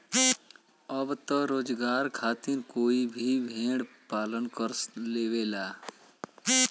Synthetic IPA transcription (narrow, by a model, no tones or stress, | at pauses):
əbt̪əɾoːd͡ʒɡaːɾkʰaːt̪inkoːibʱibʱẽːɽ | paːlənkəɾleːʋelaː